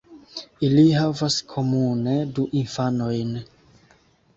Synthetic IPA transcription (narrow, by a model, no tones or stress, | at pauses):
ilihavaskʰo̞mune̞duʔinfano̞jn